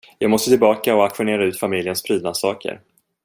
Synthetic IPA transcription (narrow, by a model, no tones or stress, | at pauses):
jɑːɡmɔst̪ət̪ʰɪlbɑːkaɔakɧʊneːɾaʉ̟ːt̪famɪljənspʰɾiːd̪nad̪sɑːkə̰ɾ